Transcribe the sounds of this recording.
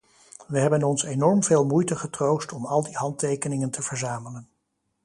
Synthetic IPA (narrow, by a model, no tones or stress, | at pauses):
ʋəɦɛbənɔnsenɔɹmveːlˠmujtəχətrowstɔmɑlˠdiɦɑntejkənɪŋəntəv̥əɹzaːmələn